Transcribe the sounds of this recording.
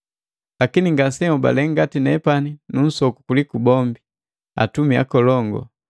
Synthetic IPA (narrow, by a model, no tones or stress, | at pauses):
lakiniŋɡasɛuba̰lɛŋɡatinɛpaninun̩sɔkukulikubɔmbi | a̰tumia̰kɔlɔŋɡɔ̰